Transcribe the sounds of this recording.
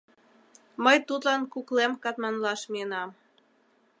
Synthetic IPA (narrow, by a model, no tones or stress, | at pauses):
məjt̪ut̪lɑnkuklemkɑt̪mɑnlɑʃmienɑm